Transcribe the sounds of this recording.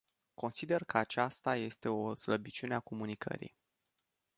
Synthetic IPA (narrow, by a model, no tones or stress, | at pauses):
ko̞nsid̪e̞rkəat͡ʃast̪aje̞st̪e̞osləbit͡ʃuneako̞munikʰə̰ɾḭj